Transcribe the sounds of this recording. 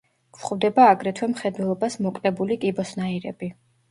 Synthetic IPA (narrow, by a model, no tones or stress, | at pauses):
ksχvd̪ɛbaːɡɾɛt̪ʰwɛmχɛd̪wɛlˠɔbasmɔkʼnɛbulikʼibɔsnaiɾɛ̰bi